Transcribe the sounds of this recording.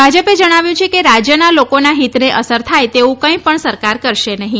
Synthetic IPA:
bʱad͡ʒəped͡ʒəɽ̃aʋjũt͡ʃʰekeɾad͡ʒjənalokonaɦit̪neʔəsəɾt̪ʰajt̪eʋũkə̃ĩpəɳsəɾkaɾkəɾʃenəɦĩ

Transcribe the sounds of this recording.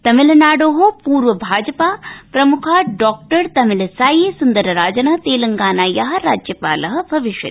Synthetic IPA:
t̪ɐmilɐnaːɖoːɦopuːɾʋɐbʱaːd͡ʒɐpaːpɾɐmukʰaːɖɔːk̚ʈɐɾt̪ɐmilɐsaːjeːsund̪ɐɾɐɾaːd͡ʒɐnɐɦt̪eːlɐŋɡaːnaːjaːɦɐɾaːd͡ʒjɐpaːlɐɦɐ̆bʱɐʋiʃʋɐ̰

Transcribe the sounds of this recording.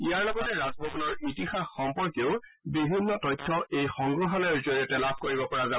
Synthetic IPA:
ijaɹlɔɡɔtɛɹazbʱɔpunɔɹitixaxːɔmpɔɹkeʊ | bibʱinːɔtɔjtʰːɔejxɔŋɡɹɔɦɔlɔɹzoɹiɔtɛlab̚ʱkoɹibɔpɔɹaza

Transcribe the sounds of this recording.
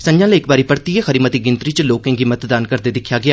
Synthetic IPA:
sə̃ɲd͡ʒãːleːɪkbaːɾiːpəɾt̪iːexəɾiːmət̪iːɡɪ̃nt̪ɾiːt͡ʃəloːkẽːɡiːmət̪d̪aːnkəɾd̪eːd̪ɪkʰːjaːɡɪjaː

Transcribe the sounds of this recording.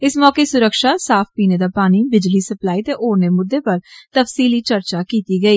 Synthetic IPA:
ɪsmɔːkeːsʊɾəkʃaːsaːpʰpiːneːd̪aːpaːniːbɪd͡ʒliːsəplaːiːt̪eːʔoːɾneːmʊd̪ːeːpəɾt̪əfsiːliːt͡ʃəɾt͡ʃaːkiːt̪iːɡəiː

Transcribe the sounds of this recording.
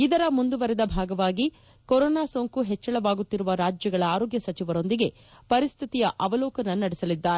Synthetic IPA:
id̪ɐɾɐmund̪uʋɐɾɛd̪ɐbʱaːɡɐʋaːɡi | koɾoːnaːsoːŋkuɦɛt͡ʃːɐɭɐʋaːɡut̪ːiɾuʋɐɾaːd͡ʒjɐɡɐɭɐaːɾoːɡjɐsɐt͡ʃiʋɐɾo̞nd̪iɡe̞ | pɐɾist̪ʰit̪ijɐʔɐʋɐlɔːkɐnɐnɐɽɛsɐlid̪ːaːɾe

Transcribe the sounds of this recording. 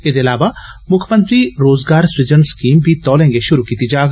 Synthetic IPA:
eːd̪eɐlaːʋaː | mʊkʰmə̃nt̪ɾiːɾoːzɡaːɾsɪd͡ʒənskiːmbʱiːt̪ɔːlɛ̃ːŋɡeʃʊɾuːkiːt̪id͡ʒaːɡ

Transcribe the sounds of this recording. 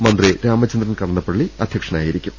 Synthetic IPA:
mɐnd̪riɾaːmɐt͡ɕːɐnd̪ɾɐnkɐɽɐnːɐpːɐɽɭːiɐd̪ʱjɐkʂɐnaːjiɾikʲːum

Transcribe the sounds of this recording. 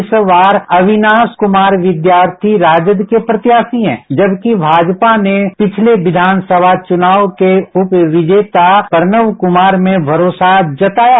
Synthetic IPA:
sʋaːɾɐʋɪnaːskʊmaːɾʋɪd̪jaːɾt̪ʰiɾaːd͡ʒəd̪kepɾɐt̪jaːsiɦɛ̰̃ːd͡ʒɐbkibʱaːd͡ʒpanepɪt͡ʃʰleʋɪd̪ʱaːnsəbʱat͡ʃʊnaːʋkeʊpʋɪd͡ʒeːt̪apəɾnəʋkʊmaːɾmẽbʱɐɾoːsad͡ʒɐt̪aːja

